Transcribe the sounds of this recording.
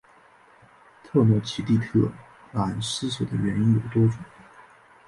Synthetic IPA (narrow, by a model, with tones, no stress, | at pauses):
t̪ʰɤ˥˧nwɔ˥˩t͡ɕʰi˧˥t̪i˥˧t̪ʰɤ˥˩ | la˨˩nsɹ̩˥sɤ˨˩d̪ə˦ɥɛ˧˥ni˥njo˨˩ʊt̪wɔ˥ʈ͡ʂʊ˨˩˦ŋ